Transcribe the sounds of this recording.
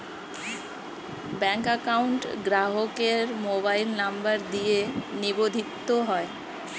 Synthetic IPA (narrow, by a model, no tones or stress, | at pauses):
bɛ̃ŋkəkaʊɳʈɡɾaɦokeɾmobailnəmbəɾd̪ijenibod̪ʱit̪ːoɦɔe